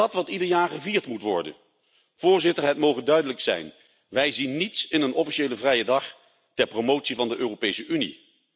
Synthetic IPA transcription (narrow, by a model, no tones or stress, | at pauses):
ɑtʋɑtidəɹjaːɹχəviːɹtmutʋɔ̰ɹdə̰n | v̥ʊːɹzɪtəɹɦɛtmowχəndœɥdələksɛ̰jn | ʋɛjzinːitsɪnənɔfiʃejləvrɛjədɑχ | tɛɹpromowtsivɑndəʔøːrowpejsəʔynḭ